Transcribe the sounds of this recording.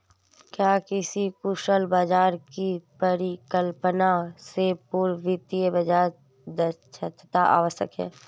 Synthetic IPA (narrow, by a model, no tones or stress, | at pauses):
kjaːkɪsikʊʃəlbaːd͡ʒaːɾkipəɾɪkəlpənasepuɾʋɪt̪iəbad͡ʒaːɾ | d̪ət͡ʃʰət̪ʰːt̪aʔa̰ːʋəst̪ə̰kɦɛ̰ː